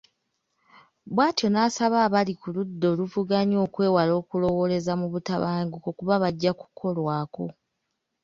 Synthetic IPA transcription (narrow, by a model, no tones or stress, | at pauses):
βwaːtjo̞naːsaβaːβalikuludːo̞ːluvuɡaɲo̞ːkwe̞ːwalo̞ːkulo̞wo̞le̞zamuβutaβaːŋɡukokuβaβaɟːaku̥kʰo̞lwaːko̞̰